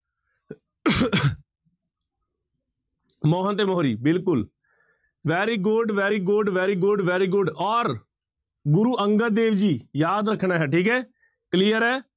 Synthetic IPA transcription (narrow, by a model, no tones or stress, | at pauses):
mɔːɦənt̪eːmɔɦɾiːbɪlkʊl | ʋɛːɾiːɡʊɖʋɛːɾiːɡʊɖʋɛːɾiːɡʊɖʋɛːɾiːɡʊɖɔːɾ | ɡʊɾuːʔəŋɡəɾd̪eːʋd͡ʒiːjaːd̪ɾəkʰɳaːɦɛːʈʰiːkɦɛː | kliːəɾɛː